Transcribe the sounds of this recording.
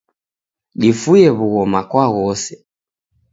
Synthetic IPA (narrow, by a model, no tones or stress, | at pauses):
ɗifujɛβuɣɔmakwaɣɔsɛ̥